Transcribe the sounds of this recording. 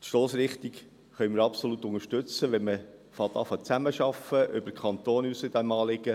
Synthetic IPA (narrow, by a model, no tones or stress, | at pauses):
t̪ʃloːsɾɪχt̪ik | χœʏmɪɾɑpsolut̪ʊŋəʃtʏt͡səʋɛnməfɑt̪ɑfɑt͡sæməʃɑfəʔʏbəkχɑnt̪oːnysɪd̥̪æmɑːlɪɡə